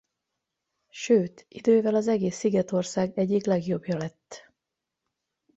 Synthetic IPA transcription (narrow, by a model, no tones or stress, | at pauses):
ʃøːt̪id̪øːvɛlɒzɛɡeːsːiɡɛt̪o̞rsaːɡɛɟːiklɛɡjo̞bjɒlɛt̪ː